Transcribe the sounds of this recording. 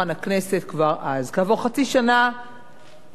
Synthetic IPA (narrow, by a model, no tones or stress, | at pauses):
anakne̞se̞tkvaʁʔazkaːvoʁχat͡siʃana